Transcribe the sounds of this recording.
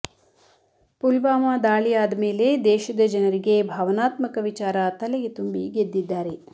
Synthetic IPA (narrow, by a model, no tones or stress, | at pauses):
pulʋaːmaːd̪aːɭijaːd̪ɐme̞ːle̞d̪ɛːʃɐd̪ɐd͡ʒɐnɐɾiɡe̞bʱaːʋɐnaːt̪mɐkɐʋit͡ʃaːɾɐt̪ɐlɛɡet̪umbiɡed̪ːid̪ːaːɾe